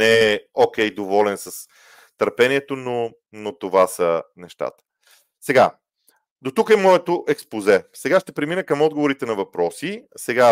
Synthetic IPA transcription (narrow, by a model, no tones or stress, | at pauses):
nɛɛok̟ʲɛjd̪ovɔlɛnsɐs | t̪əɾpɛniɛt̪ono | not̪ovasənɛʃt̪a̰t̪ə̥ | sɛɡa | d̪ot̪ukɛmɔɛt̪oʔɛkspozɛsɛɡaʃt̪ɛpɾɛminəkɐmɔd̪̚ɡovoɾit̪ɛnɐvɐpɾɔsisɛɡa